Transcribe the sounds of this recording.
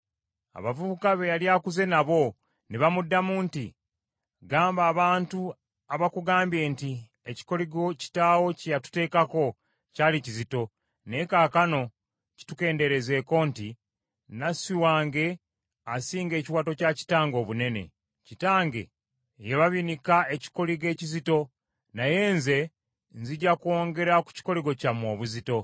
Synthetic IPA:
a̰βavuβukaβe̞jaljaːkuze̞naβo̞ | neβamudːamuːnti | ɡaːmbaːβaːntu | aβakuɡaːmbje̞ːnti | eci̥ko̞liɡo̞ci̥taːwo̞cijatu̥te̞ːkako̞ | caːlicizito̞ | ne̞kaːkano̞ | ci̥tuke̞ːnde̞ɾe̞ze̞ːko̞nti | nasiwaːŋɡe̞ | asiːŋɡe̞ːciwaːto̞caci̥taːŋɡo̞ːβune̞ne̞̰ | citaːŋɡe̞̰ | jeβaβinikae̞ci̥ko̞liɡe̞ːcizito̞ | naje̞ːnze̞ | nziɟakuo̞ːŋɡe̞ɾaku̥ci̥ko̞liɡo̞camo̞ːβuzito̞

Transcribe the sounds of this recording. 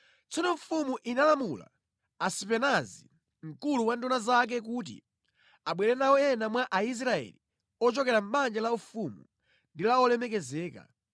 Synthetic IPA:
t͡sɔnɔɱfumuʔinalamula̰ | asipɛnazi | m̩kuluwandɔnazak̬ɛk̬ut̬ḭ | aɓwɛlɛnawɔjɛnamwaʔais̬ɾaɛ̰li | ɔt͡ʃɔkɛɾam̩ɓand͡ʒalaufumṵ | ndilaɔlɛmɛkɛzɛːka̰

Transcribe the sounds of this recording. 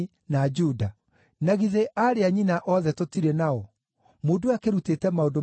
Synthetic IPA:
nad͡ʒuda | naɣiðeʔaɾeaɲinaʔɔðɛtotiɾenaɔ | moːdoakeɾutetɛmaodo

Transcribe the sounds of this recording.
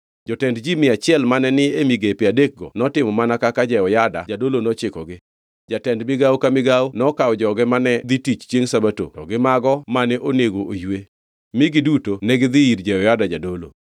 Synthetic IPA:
d͡ʒɔtɛndd͡ʒimɪat͡ʃɪɛlmanɛnɪemiɡepɪadek̚ɡɔnɔtɪmɔmanakakad͡ʒɛɔjadad͡ʒadolonɔt͡ʃɪkɔɡɪ | d͡ʒatɛndmɪɡawkamɪɡawnɔkawd͡ʒɔɡɪmanɛd̪itit͡ʃt͡ʃjeŋsabato̰tɔɡɪmaɡɔmanɛʔoneɡoʔojwe | mɪɡɪdutonɛɡɪd̪ɪiɾd͡ʒɛɔjadad͡ʒadolo̰

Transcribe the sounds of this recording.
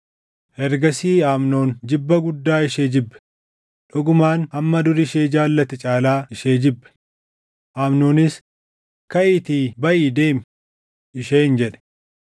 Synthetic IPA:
hɛɾɡɐsiːaːmno̞ːnd͡ʒɪbːɐɡʊd̪ːaːɪʃeːd͡ʒɪbːɛ̥ | ᶑɔɡʊmaːnɐmːɐd̪ʊɾɪʃeːd͡ʒaːlːɐt̪ɪt͡ʃʼaːlaːɪʃeːd͡ʒɪbːɛ̥ | ʔaːmnoːnɪs | kɐʔɪt̪iːbɐʔiːd̪e̞ːm | ʔɪʃeːnd͡ʒɛᶑɛ̥

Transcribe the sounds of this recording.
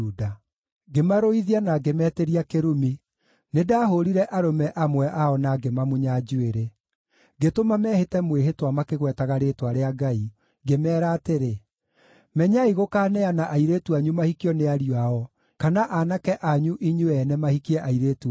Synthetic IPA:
uːda | ɡemaɾoiðianaɡemɛteɾiakeɾumi | nedaːɦoɾiɾɛʔaɾomɛʔamwɛʔaɔnaɡemamuɲad͡ʒueɾe | ɡetomamɛhetɛmweɦetwamakeɣwɛtaɣaɾeːtwaɾeaɡai | ɡemɛːɾaːteɾe | mɛɲaiɣokaːnɛanaʔaiɾetuaɲumahikiɔneaɾiwaɔ | kanaʔanakɛʔaɲuʔiɲuɛnɛmahikiɛʔaiɾeːtu

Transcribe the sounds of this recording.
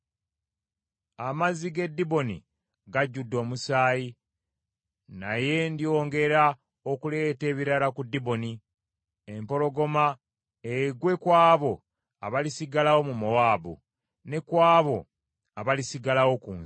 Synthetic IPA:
amaziɡe̞dːibo̞nḭ | ɡaɟːudːo̞ːmusaːji | naje̞ndio̞ːŋɡe̞ɾa | okule̞ːte̞ːβiɾalakudːibo̞ni | empo̞lo̞ɡo̞ma | eɡwe̞kwaːβo̞ | a̰βalisiɡalawo̞mumowaːbṵ | ne̞kwaːβo̞ | aβalisiɡalawo̞kuːn

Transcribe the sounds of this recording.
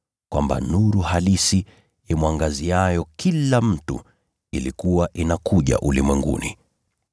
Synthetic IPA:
kwamba̰nuɾuhalisi | ɛmwaŋɡaziajɔkʰilam̩tṵ | ilikuwaʔinakuʄa̰ʔulimwɛŋɡṵnḭ

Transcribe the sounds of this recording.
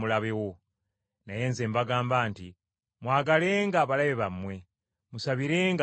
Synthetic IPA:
mulaβe̞wo̞ | naje̞ːnzeːmbaɡaːmbaːnti | mwaːɡale̞ːŋɡaːβalaβeβamwe̞ | musaβiɾe̞ːŋɡ

